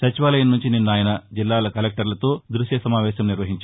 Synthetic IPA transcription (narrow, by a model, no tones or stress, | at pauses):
sɐt͡ʃiʋaːlɐjɐnːuɲt͡ʃininːaːjɐnɐd͡ʒilːaːlɐkɐlek̚ʈɐɾlɐt̪o̞ːd̪ɾuʃjɐsɐmaːʋɛːʃɐmniɾʋɐɦiɲt͡ʃ